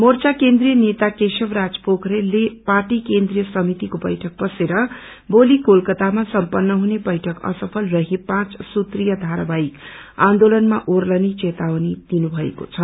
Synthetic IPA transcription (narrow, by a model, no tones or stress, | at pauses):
mort͡sakend̪rijʌnet̪akesʌbrad͡zpokʰɾeleparʈikend̪rijʌsʌmit̪ikobʌjʈʰʌk̚bʌseɾʌ | bolikolkʌt̪amasʌmpʌnːʌɦunebʌjʈʰʌkʌ̰sʌpʰʌlrʌɦepãt͡ssut̪rijʌd̪ʱaɾabaik | ãnd̪olʌnmaʔorlʌnit͡set̪awnid̪̥inubʱʌḛko̰t͡sʰʌ